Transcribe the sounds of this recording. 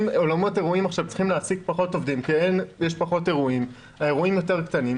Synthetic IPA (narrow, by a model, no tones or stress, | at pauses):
molamo̞te̞ʁuimaχʃavt͡si̥χimleasiɡpaχo̞to̞vd̪imkienjeʃpaχo̞te̞ʁuim | ae̞ʁuimjo̞te̞ʁkt̪anim